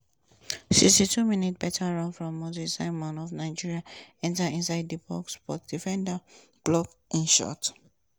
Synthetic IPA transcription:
sikstitʰuminit̚b̥ɛtʰəɹɔ̃nfɹɔ̃mːɔtisaɪmɔ̃nɔvnaɪd͡ʒiɹiaɛ̃ntaĩnsaɪdipʰɔkspɔt̚d̥ifɛ̃ndə | b̥lɔk | ʔĩnʃɔ̰t

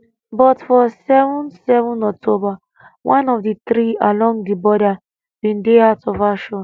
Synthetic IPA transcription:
bɔtfɔsɛvɔ̃nsɛvɔ̃nɔk̚tʰoba | wʔãnɔfdit̪ɾialɔ̃ŋdibɔda | bĩndeaʊtʰɔvaʃɔ̃n

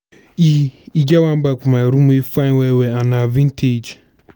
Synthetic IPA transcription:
iiɡawam̩ɡ͡bakʷumaɾumuifaweweanavin̩tʰed͡ʒ

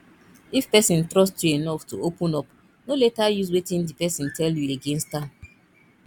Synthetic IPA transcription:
ifpɛsĩntɾɔstjuenɔftuopũnɔp | noletajuzwetĩndipɛsĩn̩tʰɛljueɡẽnstã

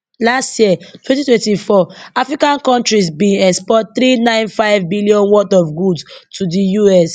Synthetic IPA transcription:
lastjiɛtwɛ̃ntitwɛ̃ntifɔafɹikãnkɔ̃ntɹisbĩnɛkspɔt̚θɾinãɪ̃nfaɪvbiliɔ̃nwɔtɔvɡudstʰudijuɛs

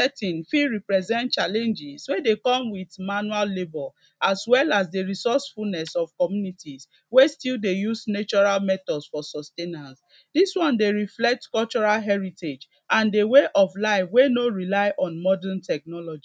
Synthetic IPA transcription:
sɛtĩnfiɹipɹɛzɛ̃nt̚t͡ʃalɛ̃nd͡ʒiswedekɔ̃mwiθmanuallebɔl | aswɛlasdeɹisɔsfulnɛsɔv̥kɔmjunitis | westildejusnet͡ʃɔɹalmɛtɔdsfɔsɔstenas | diswɔ̃ndeɹiflɛk̚tkɔlt͡ʃɔɹalɦɛɹited͡ʒ | ãndeweʔɔvlaɪfwenoɹilaɪʔɔ̃nmɔdɛ̃ntɛk̚nɔlɔd͡ʒi

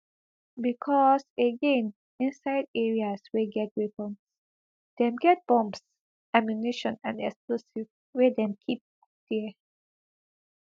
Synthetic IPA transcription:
bikʰɔsəɡẽn | ĩnsaɪdɛɹiasweɡɛt̚ɹipɔ̃ns | d̥ɛ̃mɡɛt̚b̥ɔ̃mps | ʔamjuniʃɔ̃nãndɛksklosiv | wɛdɛ̃mkʰip̚ | d̥ɛ

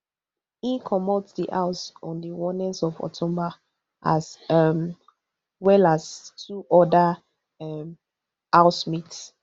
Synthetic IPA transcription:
ĩnkʰɔmɔtsdiʔaʊsɔ̃ndəwɔnĩnsɔvɔ̰tʰɔ̃mba | ʔasm | wɛlastʰuʔɔda | m | aʊsmits

